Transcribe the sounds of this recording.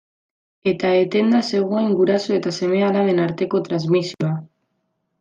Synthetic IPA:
e̞t̪ae̞t̪e̞nd̪ase̞ɣ̞oeiŋɡuɾasoe̞t̪ase̞me̞alaðenaɾt̪e̞ko̞t̪ɾazmisioa

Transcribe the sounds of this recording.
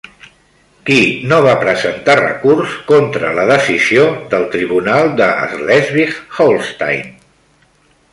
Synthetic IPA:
kinoβapɾəzənt̪arə̰kurskont̪ɾələðəsiziod̪əlˠt̪ɾiβunalˠd̪əə̰zlɛzβiɣholˠst̪a̰jn

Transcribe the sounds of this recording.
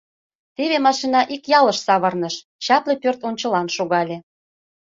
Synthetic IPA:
t̪eβemɑʃinɑʔikjɑləʃsɑβɤ̆rnəʃ | t͡ɕɑplʲepørt̪onʲt͡ɕə̆lɑnʃoɣɑlʲe

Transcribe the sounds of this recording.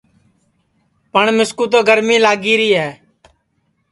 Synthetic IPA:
pəɳmɪskuːt̪̬oːɡəɾmĩːlaːɡiːɾiːɦɛː

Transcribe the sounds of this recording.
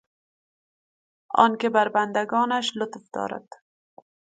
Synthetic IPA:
ɒ̰nkebaɾband̪aɡɔːnaʃlʊt̪fd̪̥ɒ̰ːɾa̰d̪̥

